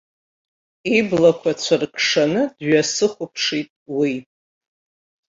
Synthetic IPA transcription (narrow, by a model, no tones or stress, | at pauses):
iblakʷʰat͡ɕʷʰarkʰʂanɨdɥasɨχʷʊpʰʂitʼwi